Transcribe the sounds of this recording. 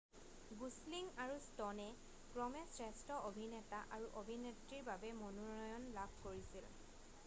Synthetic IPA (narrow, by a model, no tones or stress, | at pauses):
ɡusliŋaɹustɔnɛ | kɹɔmɛsɹɛstɔʔobʱinɛtaʔaɹuʔobʱinetɹiɹbabɛmonɔnɔjɔnlabʱkoɹisil